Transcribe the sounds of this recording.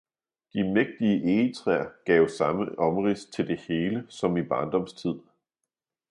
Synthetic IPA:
d̥imeɡ̥̚d̥iəʔeːt͡sʰʁɛɐɡ̥ɛʊsɑ̈məʔɒ̽mʁist͡sʰe̝ld̥e̝he̝ːləsɒ̽mib̥ɑ̈ːnd̥ɒ̽mst͡sʰið̰ˠ

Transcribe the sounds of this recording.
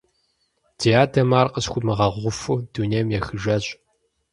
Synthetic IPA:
d̥ijaːdɐmaːrqʼəɕxʷʊmɨʁɐʁʷʊfud̥uneːmjɛxɨʒɐɕʼ

